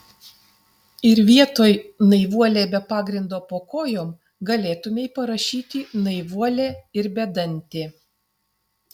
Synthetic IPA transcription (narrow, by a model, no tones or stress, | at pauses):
ɪɾʋʲiɛt̪oːjnɐɪʋuɔlʲeːbʲɛpɑːɡɾʲɪnd̪oːpoːkoːjoːm | ɡɐlʲeːt̪ʊmʲeɪpɐɾɐʃʲiːt̪ʲinɐɪʋuɔlʲeːɪɾbʲɛd̪ɐnʲt̪ʲeː